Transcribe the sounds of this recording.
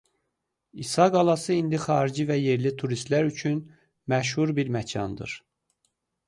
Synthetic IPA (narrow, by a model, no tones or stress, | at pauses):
isɑɡɑlˠɑsɯind̪ixɑːɾid͡ʒivæje̞ɾlit̪ʰuɾist̪læɾyt͡ʃʰyn | mæʃ̬huɾbiɾmæcʰɑ̰nd̪ɯ̰ɾ̥